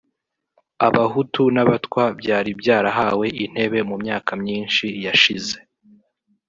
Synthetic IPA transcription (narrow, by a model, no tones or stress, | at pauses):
aβaɦutunaβatkwabɟaːɾibjaːɾaɦaːwe̞ʔin̥he̞βe̞mumɲaːkʰamɲiːnʃijaʃize̞